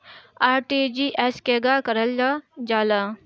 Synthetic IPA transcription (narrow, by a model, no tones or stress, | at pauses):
aːɾʈid͡ʒiʔeskeːɡakɐɾəld͡ʒad͡ʒaːla